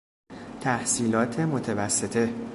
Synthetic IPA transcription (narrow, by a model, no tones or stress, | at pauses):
t̪ʰæhsiːlɒːt̪ʰe̞mo̞t̪ʰevæsːe̞t̪ʰe̞